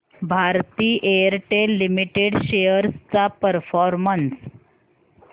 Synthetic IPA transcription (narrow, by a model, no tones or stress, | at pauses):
bʱaɾt̪iːʔejəɾʈelːimiʈeɽɕejəɾst͡sapəɾfɔɾməns